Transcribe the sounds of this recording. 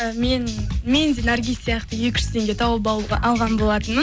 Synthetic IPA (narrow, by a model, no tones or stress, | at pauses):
menme̞nd̪e̞naɾɡʲijssijɑqt̪əje̞kʲɪ̥ʃɪ̥t̪ʰe̞ŋɡʲe̞t̪ʰɑwəbɑlˠʁɑnbo̞lˠɑt̪ən